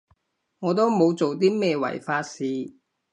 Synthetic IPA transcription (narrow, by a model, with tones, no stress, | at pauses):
ŋɔː˨˧t̪o˥wmo˨˧wt͡so˨wt̪̬iː˥mɛː˥wɐ̰˨˩jfaː˧tsiː˨˧